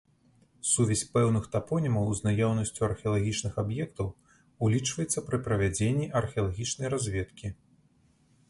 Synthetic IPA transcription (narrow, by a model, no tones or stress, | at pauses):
suvʲɛsʲpɛwnɨxt̪apɔnʲimɐwznajɔwnɐsʲt͡sʲuɐrxʲɛɐlˠaɣʲit͡ʂnɨxabjɛkt̪ɐw | ulʲit͡ʂvɐjɛt̪sːɐpɾɨpɾɐvʲad͡zʲenʲːiʔɐrxʲɛɐlˠaɣʲit͡ʂnɐjrazʲvʲɛt̪kʲi